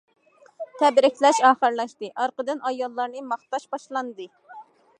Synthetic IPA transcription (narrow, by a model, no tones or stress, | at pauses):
t̪ʰɛbɾɪkʲʰlɛʃɑːχəɾlˠɑʃt̪ɨʔɑɾqəd̪ɨnɑjɑlˠːɑɾnɨmɑχt̪ɑʃbɑʃlˠɑnd̪ɨ